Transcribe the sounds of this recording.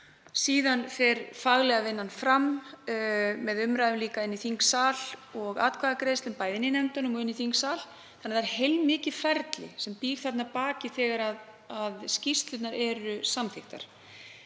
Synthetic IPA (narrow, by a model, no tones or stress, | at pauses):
siːðanfɛɾfaɣlɛɣavɪnːanfɾam | mɛðʏmɾajðʏmliːkaɪnːiθiŋksaːlɔɣa̰ːt̪̚kʰvaːðakɾejst̪ɪmpaːjðɪnɪnɛmt̪anʏmɔɪnːiθiŋksaːl | θθanːaðaɾ̥hejlmːɪːcɪfɛɾt̪lɪ̰sɛmpiːɾ̥θat̪napaːcɪθɛːɣaɾað | aðscist̪lʏt̪naɾɛɾʏsamθɪxt̪a̰ɾ̥